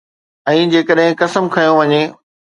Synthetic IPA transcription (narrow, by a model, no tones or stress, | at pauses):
ɛ̃ːd͡ʑeːkəɗɦɪ̃kɐsəmkʰɐjõʋɐɲeː